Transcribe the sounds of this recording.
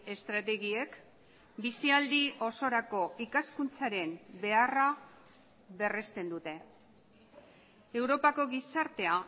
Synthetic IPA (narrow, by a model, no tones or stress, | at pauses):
e̞st̪ɾat̪e̞ɣie̞k | bisiald̪iʔo̞so̞ɾako̞ʔikaskunt͡saɾe̞mbe̞ara | βe̞re̞st̪e̞nd̪ut̪e̞ | e̞wɾo̞pako̞ɣisaɾt̪e̞a